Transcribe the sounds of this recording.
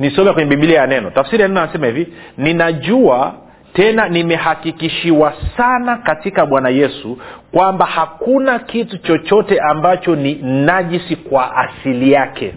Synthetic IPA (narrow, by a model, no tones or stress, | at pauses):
nisɔmɛkwɛɲɛɓimbiliajanɛnɔtafasiɾijanɛnɔasɛmahivininaʄua | tɛnanimɛhakikiʃiwasanakatikaɓwanajɛsukwambahakunakitut͡ʃɔt͡ʃɔtɛʔambat͡ʃɔninaʄisikwaʔa̰silijakʰɛ̰